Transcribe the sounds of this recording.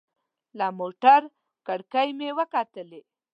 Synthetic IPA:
lamoʈaɾ | kəɽkajmewəkat̪əle

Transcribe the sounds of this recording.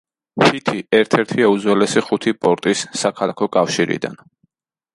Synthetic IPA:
pʰit̪ʰiɛɾt̪ʰɛɾt̪ʰiɛud̪zwɛlɛsiχut̪ʰipʼɔɾt̪ʼisːakʰalˠakʰɔkʼafʃiɾḭd̪a̰n

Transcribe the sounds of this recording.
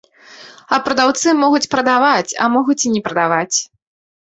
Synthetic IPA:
ɐpɾɐd̪awt̪sɨmɔɣut͡sʲpɾɐd̪avat͡sʲɐ̰mɔɣut͡sʲinʲɛpɾɐd̪avat͡sʲ

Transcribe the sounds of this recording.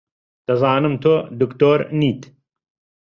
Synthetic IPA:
d̪̥ɐzaːnɨmt̪ʰoːd̪ukt̪oːɾniːt̪

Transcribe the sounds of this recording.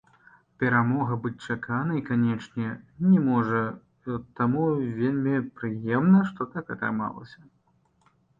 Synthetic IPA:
pʲɛɾamɔɣɐbɨt͡sʲt͡ʂakʰanɐikanʲɛt͡ʂnʲɛnʲɛmɔʐɐ | t̪amuvʲelʲmʲipɾɨjɛmnɐʂt̪ɔt̪ak̪ɐ̰t̪a̰ma̰lˠɐ̰sʲɐ

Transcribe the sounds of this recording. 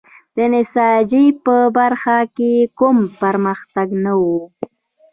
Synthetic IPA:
d̪̥ənɪsɑd͡ʒipəbaɾxakekʊmpəɾməxt̪aɡnawu

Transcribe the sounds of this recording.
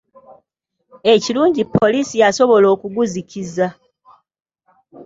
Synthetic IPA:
e̞ciluːɲɟipʰːo̞liːsijaso̞βo̞lo̞ːkuɡuziciza

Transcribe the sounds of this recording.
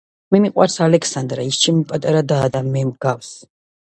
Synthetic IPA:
mɛmiqʼwa̰ɾsalɛksand̪ɾaist͡ʃʰimpʼat̪ʼaɾad̪aːd̪amɛmɡafs

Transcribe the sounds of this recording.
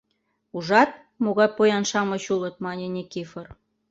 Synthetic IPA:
uʒɑt̪̚ | moɣɑjpojɑnʃɑmɤ̆ɕulɤ̆t̪̚mɑnʲenʲekifɤr

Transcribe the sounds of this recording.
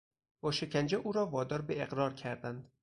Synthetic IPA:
b̥ɒːʃe̞cʰænd͡ʒeʔuːɾɒːvɒːd̪ɒːɾbeeɣɾɒːɾcʰæɾd̪ænd̪

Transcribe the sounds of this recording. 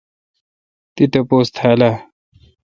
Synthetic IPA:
t̪it̪ɐpoːst̪ʰaːla

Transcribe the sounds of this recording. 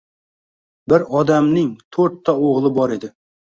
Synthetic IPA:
bɪɾɒd̪amnɪŋt̪ʰɵɾt̪ʰːaoʁlˠɪbɒɾe̞d̪ɪ

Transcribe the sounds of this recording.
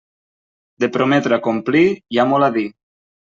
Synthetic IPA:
d̪epɾomɛt̪ɾeakomplijamɔlaði

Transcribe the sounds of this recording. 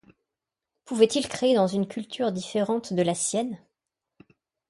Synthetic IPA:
puvɛt̪ilkχeed̪ɑ̃zynkʲʰylt̪ʰyʁd̪ifeʁɑ̃t̪d̪əlasjɛn

